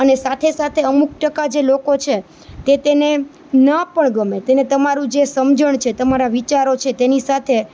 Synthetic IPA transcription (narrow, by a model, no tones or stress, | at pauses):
ənesat̪ʰesat̪ʰeəmuk̚ʰʈəkad͡ʒelokot͡ʃʰe | t̪et̪ene | nəpəɳɡəmet̪enet̪əmaɾũd͡ʒesəmd͡ʒəɳt͡ʃʰet̪əmaɾaʋit͡ʃaɾot͡ʃʰet̪enisat̪ʰe